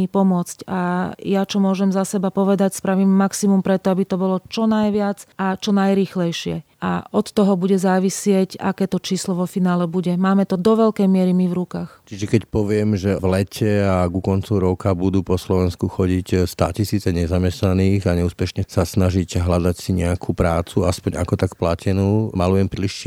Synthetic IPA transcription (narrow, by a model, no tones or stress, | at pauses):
ipɔmʊɔt͡scajat͡ʃɔmʊɔʒɛmzasɛbapɔʋɛd̪acspɾaʋiːmmaksimumpɾɛt̪ɔabit̪ɔbɔlɔt͡ʃɔnajʋɪad͡zat͡ʃɔnajɾiːxlɛjʃɪɛ̰ʔa̰ɔt̪ːɔɦɔbuɟɛzaːʋisɪɛca̰kɛːt̪ɔt͡ʃiːslɔʋɔfinaːlɛbuɟɛmaːmɛt̪ɔd̪ɔʋɛʎkɛjmɪɛɾimivɾukaːxt͡ʃiʒɛkɛcpɔʋɪɛmʒɛvlɛcʰɛaɡukɔnt͡sɔʊɾɔkabud̪uːpɔslɔʋɛnskuxɔɟicst̪a̰cisiːt͡sɛɲɛzamɛsnaniːɣaɲɛuːspɛʃɲɛsasnaʒicɦlad̪acsiɲɛakʰupɾaːt͡suaspɔɲa̰kɔt̪akplacʰɛnuːmalujɛmpɾiliʃ